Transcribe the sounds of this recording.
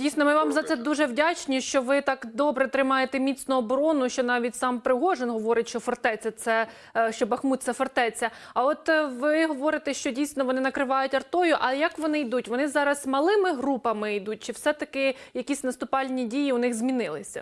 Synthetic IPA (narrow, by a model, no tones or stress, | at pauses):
dʲijsʲnɔmɪʋɑmzɐt̪sɛd̪uʒɛwdʲat͡ʃnʲiʃt͡ʃɔʋɪt̪ɑkd̪ɔbɾɛt̪ɾɪmɑjet̪ɛmʲit͡sʲnʊɔbɔɾɔnʊʃt͡ʃɔnɑʋʲitʲsɑmpɾɪɦɔʒenɦɔʋɔɾɪtʲʃt͡ʃɔfɔrt̪ɛt͡sʲːɐt̪sɛ | ʃt͡ʃɔbɐxmut̪sɛfɔrt̪ɛt͡sʲːɐ | ɐɔt̪ʋɪɦɔʋɔɾɪt̪ɛʃt͡ʃɔdʲijsʲnɔʋɔnɪnɐkɾɪʋɑjʊtʲɐrt̪ɔjʊʔɐjɐkʋɔnɪjd̪utʲʋɔnɪzɑɾɐzmɐlˠɪmɪɦɾupɐmɪid̪ut̚ʲt͡ʃɪwsɛt̪ɐkɪjɐkʲisʲnɐst̪ʊpɑlʲnʲidʲijiʊnɪxzʲmʲinɪlˠɪsʲɐ̰